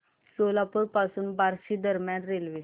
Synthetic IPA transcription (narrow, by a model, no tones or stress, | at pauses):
solapəɾpasuːnbaɾɕiːd̪əɾmjãnɾelʋi